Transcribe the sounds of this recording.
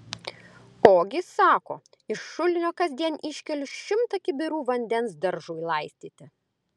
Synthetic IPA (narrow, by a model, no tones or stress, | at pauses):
oːɡʲɪsɑːko̰ː | ɪʃːʊlʲɪnʲoːkɐzʲd̪ʲiɛnʲʔɪʃʲkʲɛlʲʊʃʲɪmt̪ɐkʲɪbʲɪɾuːʋɐnʲd̪ʲɛnsd̪ɐɾʒuːjlˠɐɪsʲt̪ʲiːt̪ʲɪ